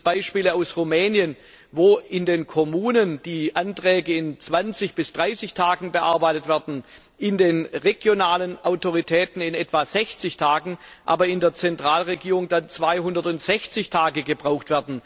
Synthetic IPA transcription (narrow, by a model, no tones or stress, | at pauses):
b̥aɪʃpiːləaʊsʁumɛːnjən | voːɪndeːnkʰomuːnənd̥iːʔantʁ̥ɛːɡəɪnt͡sv̥ant͡sɪçb̥ɪsd̥ʁaɪsɪçtʰaːɡŋ̩bəʔa̰ɐbaɪtətv̥ɛɐdn̩ | ʔɪndeːnʁeɡ̥jonaːlənʔaʊtʰoʁitʰɛːtn̩ɪnʔɛtv̥az̥ɛçt͡sɪçtʰaːɡŋ̩ʔa̰ːbɐɪndeːɐt͡sɛntʁ̥aːlʁeɡiːʁʊŋdant͡sv̥aɪɦʊndɐtʊntz̥ɛçt͡sɪçtʰaːɡəɡəbʁaʊxtv̥ɛɐdn̩